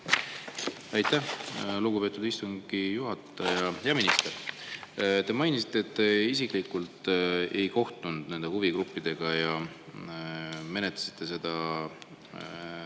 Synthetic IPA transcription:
ɑjt̪ːˑæhluɡupe̞ːt̪ːud̪ist̪uŋɡ̥ijuɦɑt̪ːˑɑjɑjɑminist̪e̞r | t̪e̞mɑjnisi̥t̪ːˑe̞ːt̪ːeis̬ikˑlikːˑult̪e̞jko̞ht̪und̪̥ne̞nd̪e̞huviɡɾupːid̪̥e̞ɡ̥ɑjɑ | me̞net̪lɑ̥si̥t̪ˑːe̞s̬e̞d̪̥ɑ

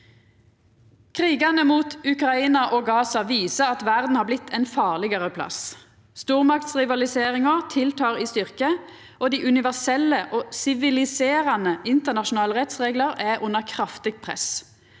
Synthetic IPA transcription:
kʰʁiːɡɑnəmuːt̪ʉkʁɑiːnɑʔoːɡɑːsɑʋiːsəʁɑt̪ʋæʁd̪n̩hɑːblɪt̪ʰːɛnfɑːʁlɪɡəʁəpʰlɑ̰s | st̪uːʁmɑkt̪sʁɪʋɑlɪseːʁɪŋəʁt̪ʰɪlt̪ʰɑːʁiːst̪ʏʁkə | ʔoːd̪iːʔʉnɪʋæʁsɛləʔoːsɪʋɪlɪseːʁɑnəʔɪnt̪əʁnɑʃʊn̩ɑːləʁɛt̪sʁeːɡləʁɛʔʊnəʁkʰʁɑft̪ɪɡ̚pʰʁɛ̰s

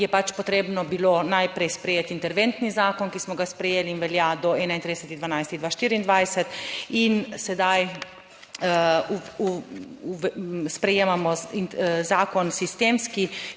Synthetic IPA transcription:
jɛpat͡ʃpɔt̪ɾeːbnɔbilonajpɾɛjspɾɛjeːt̪int̪ɛɾʋent̪nizaːkɔnkismɔɡaspɾɛjeːliːnʋɛljad̪ɔɛːnaint̪ɾid̪ɛsɛt̪iɣd̪ʋanajst̪id̪ʋaːʃt̪iːɾiind̪ʋajsɛt̪insɛd̪aj | spɾɛjeːmamɔ | zaːkɔnsist̪emski

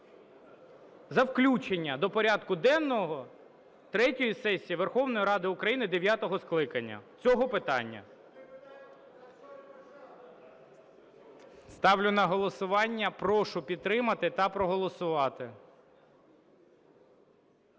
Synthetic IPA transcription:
zɐwklʲut͡ʃenʲːɐd̪ɔpɔɾʲɑd̪kʊd̪ɛnːɔɦɔ | t̪ɾɛtʲɔjisɛsʲijiʋerxɔwnɔjiɾɑd̪ɪʊkɾɐjinɪd̪eʋʲjat̪ɔɦɔsklˠɪkɐnʲːɐ̰t͡sʲɔɦɔpɪt̪ɑnʲːɐ̰ | st̪ɑwlʲʊnɐɦɔlˠɔsʊʋɑnʲːɐpɾɔʃʊpʲid̪t̪ɾɪmɐt̪ɪt̪ɐpɾɔɦɔlˠɔsʊʋɑt̪ɪ

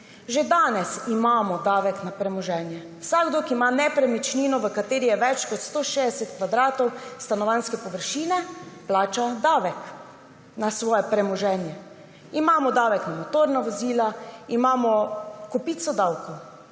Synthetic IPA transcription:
ʒed̪aːnɛsimaːmɔd̪aːʋɛknapɾɛmɔʒɛːnjɛ | wsaɡd̪okimanɛpɾɛmɛt͡ʃniːnɔʋəkat̪eːɾijɛʋɛt͡ʃkɔt̪st̪oːʃed̪ɛsɛt̪kʋad̪ɾaːt̪ɔwst̪anɔʋanskɛpɔʋəɾʃiːnɛplaːt͡ʃad̪aːʋɛk | nasʋɔːjɛpɾɛmɔʒɛːnjɛ | imaːmɔd̪aːʋɛknamɔt̪oːɾnaʋɔziːlaimaːmɔkɔpit̪sɔd̪awkɔw

